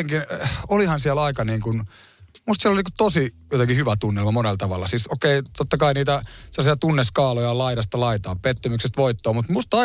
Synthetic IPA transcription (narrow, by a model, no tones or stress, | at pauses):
eŋkinolihɑnsiælɑikɑniːŋkun | must̪siloliniːkut̪osi | jot̪eŋkihyʋæt̪unːelmɑmonelt̪ɑʋɑ̰lːˑɑ̰sisokeit̪ot̪ːɑkɑiniːt̪æselːɑsiɑt̪unːeskɑːlojɑlɑiɾɑst̪ɑlɑit̪ɑːppet̪ːømyksest̪ʋoit̪ːoːmut̪must̪ɑ